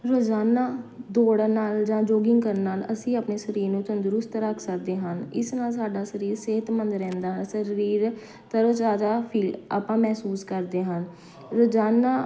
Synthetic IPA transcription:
ɾoːd͡ʒaːnːaːd̪oːɽnaːld͡ʒãːd͡ʒoːɡɪŋɡkəɾnaːləsĩːaːpneːsəɾiːɾnũːt̪ə̃nd̪əɾʊst̪ɾəkʰsəkd̪eːɦənɪ̰snaːls̬aːɖaːsəɾiːɾseːɦət̪mənd̪ɾɛ̃ːnd̪aːɦənsəɾiːɾ | t̪əɾoːt͡ʃaːd̪aːpʰiːla̰ːpãːmɛːsuːskəɾd̪eːɦən | ɾoːd͡ʒaːnaː

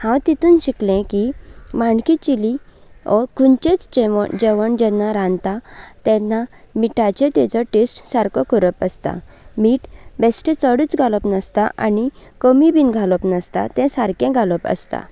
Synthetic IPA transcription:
hãwt̪it̪ʰuːnɕiklɛ̃kimaɳkit͡ɕiliɔɾkunt͡ɕẽt͡sd͡ʑɛʋ̰d͡ʑɛʋəɳd͡ʑɛnːaɾãnt̪at̪ɛ̃nːa | miʈat͡ɕẽt̪ɛt͡sɔʈesʈsaɾkɔkəɾəpəst̪a̰ | miːʈbɛsʈẽt͡səɽiːt͡sɡʱaləpnəst̪aʔanikəmibinɡʱaləpnəst̪a̰t̪ɛ̃saɾkɛ̃ɡʱaləpə̰st̪a̰

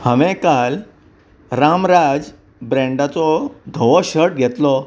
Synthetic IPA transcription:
həʋẽkal | ɾamɾad͡z | bɾẽɳɖat͡sɔd̪ʱəʋɔɕəʈ̚ɡʱɛt̪lɔ

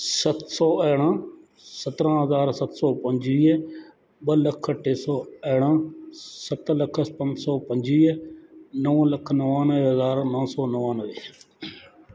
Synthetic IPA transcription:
sət̪sɔːɛːɽãː | sət̪ɾãːɦəzaːɾsət̪sɔːpəɲd͡ʒiː | ɓələkʰʈʰeːsɔːɛːɽãːsət̪ləkʰəpə̃ɲd͡ʒsɔːpə̃ɲd͡ʒiː | nəʋãːləkʰnəʋãːnəʋeɦəzaːɾnãːsɔːnəʋãːnəʋeː

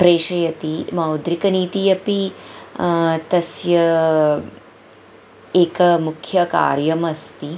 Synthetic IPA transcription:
pɾeːʃɐjɐt̪imɐwd̪ɾikɐniːt̪ijɐpi | t̪ɐsjɐ | eːkɐmukʰjɐka̰ːɾjɐmɐst̪i

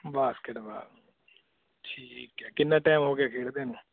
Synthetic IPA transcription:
baːskɪʈba̰ː | ʈʰiːkːaːkɪnːãːʈaːmɦoːɡeaːkʰeːɽd̪eːnũː

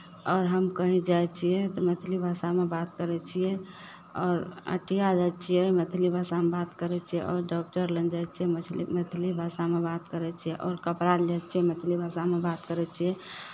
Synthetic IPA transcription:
ɔːɾɦəmkəɦĩd͡ʒajt͡ʃʰijɛt̪ɔmet̪ʰilibʱasamebat̪kəɾɛt͡ʃʰijɛ | ɔːɾə̰ʈijad͡ʒat͡ʃʰijɛmət̪ʰilibʱasamebat̪kəɾɛt͡ʃʰijɛ̰ʔɔɾɖɔk̚ʈəɾlənd͡ʒajt͡ʃʰijɛəlḭmet̪ʰlibʱasamebat̪kəɾɛt͡ʃʰijɛʔɔːɾkəpɾald͡ʒajt͡ʃʰijɛmet̪ʰilibʱasamebat̪kəɾɛt͡ʃʰijɛ

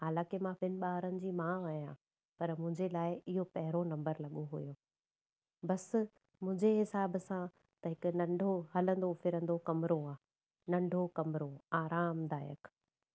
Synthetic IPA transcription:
ɦaːlãːkemãʋɪnɪ̆ɓaːɾənɪ̆d͡ʑiːmãːʋaːijãː | pɐɾmʊ̃ɦɪ̃ɲd͡ʑelaːɪɪɦopɐɦɪɾonɐ̃mbəɾlɐɠoɦujoː | bɐs | mʊ̃ɦɪ̃ɲd͡ʑeɦɪsaːbsã | t̪ɐɦɪkʊ̆nɐ̃ɳɖʱoɦɐlə̃nd̪ofɪɾə̃nd̪okɐmɾoaː | nɐ̃ɳɖʱokɐmɾoaːɾaːmd̪aːjə̰k

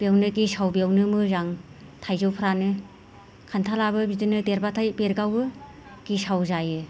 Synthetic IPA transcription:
b̥ewnɯɡisawbewnɯmɯzaŋ | tʰajzɯwpʰɾanɯ | kʰantʰalabɯbidɯnɯdeɾbatʰajbeɾɡawbɯ | ɡ̥isawzajɯ

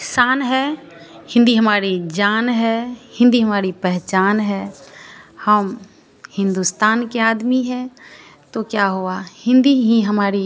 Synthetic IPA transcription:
saːnɦɛ | hɪ̃nd̪iɦəmaːɾid͡ʒaːnɦɛhɪ̃nd̪iɦəmaːɾipɛɦt͡ʃaːnɦɛ | həm | hɪ̃nd̪ust̪aːnkeaːd̪miɦɛ̃t̪okjaɦoahɪ̃nd̪iɦĩɦəmaːɾi

